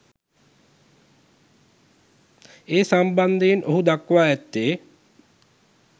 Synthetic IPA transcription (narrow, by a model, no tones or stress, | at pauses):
eːsamband̪ejinʔoɦud̪akʋaːɛt̪ːeː